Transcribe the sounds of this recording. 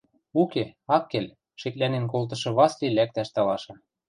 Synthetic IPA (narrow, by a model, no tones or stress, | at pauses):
ukeɑkːel | ʃĕklænenkolt̪̬ɤ̆ʃɤ̆βɑslilæk̚t̪æʃt̪ɑlɑʃɤ̆